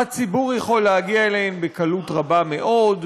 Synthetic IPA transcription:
at͡sibuʁjeχo̞lehaɡiaelehembekalutʁabameʔo̞d

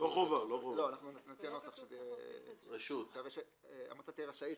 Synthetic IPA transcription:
loχovaloχovlo̞anaχnunat͡sianosaχʃt̪eʁeʃut̪aveʃ | a̰mat͡sat̪ieʁaʃai

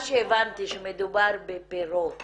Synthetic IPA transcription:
ʃevant̪iʃəmed̪ubaɾbepeɾo

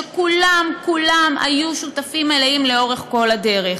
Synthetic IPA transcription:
ekulamkulama̰juʃut̪afimeleimleo̞ʁeχko̞lad̪e̞ʁe

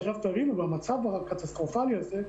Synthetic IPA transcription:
ʁaft̪avinubamat͡savahakat̪astʁofaljaze

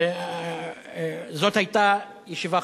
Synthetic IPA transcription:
zot̪hajt̪a | jeʃiva

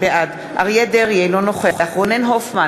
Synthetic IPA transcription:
beʔad̪ | ʔa̰ʁjed̪eʁjejlonoχeaχʁonenɦofma

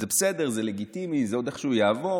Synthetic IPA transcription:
zebesed̪eʁzeleɡit̪imizeo̞d̪eχʃeujaːvo̞

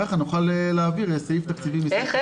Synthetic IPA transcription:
aχanuχaleleːviʁesajift̪akt͡sivimis

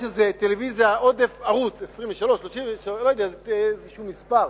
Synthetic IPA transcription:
ʃezet̪elevizijao̞d̪efaʁut͡sesʁimveʃalo̞ʃʃːloʃimveʃlojd̪ɛaezeʃumispaʁ

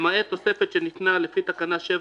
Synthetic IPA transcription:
maet̪osefet͡ʃenit̪nalefit̪akanaʃe

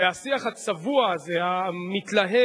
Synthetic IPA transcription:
easiaχat͡savuazeamit̪laɦe

